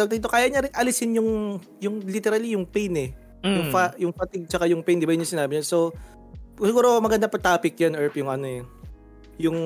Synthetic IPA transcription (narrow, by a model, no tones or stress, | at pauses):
ɐɡ̚t̪ɐɡ̚t̪okaːjɐɲɐɾɪnʔɐlɪsɪnjʊŋ | jʊŋlit̪ɛɾɐlijʊŋpɛjnɛ | jʊŋfajʊŋfɐt̪ɪɡ̚t͡ʃɐkajʊŋpɛjnd̪ɪbajʊnɲʊŋsɪnaːbɪɲɐso | sɪɡuːɾomɐɡɐnd̪apɐt̪aːpɪk̚janʔɛɹpjʊŋʔɐnoɛ | jʊŋ